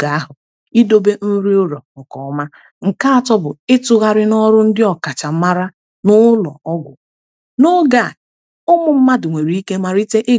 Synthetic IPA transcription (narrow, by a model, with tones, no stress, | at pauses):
ɡa˨a˦ɦʊ˨ | i˦do˦be˦n̩˦ɾi˦o˦ɾo˨ʊ˨kɔ˨ɔ˦ma˦ | ŋ̩˨ka˦a˨tɔ˦bʊ˨ɪ˦tʊ˦ɣa˦ɾɪ˦nɔ˦ɾʊ˦n̩˦dɪ˦ɔ˨ka˨t͡ʃa˨m̩˦ma˦ɾa˦ | nʊ˦lɔ̰˨ɔ˦ɡʷʊ̰˨ | no˦ɡa˨ | ʊ˦mʊ˨m̩˦ma˦dʊ˨ŋʷe˨ɾi˨˦i˦ke˦ma˨ɾi˦te˦ʔɪ˦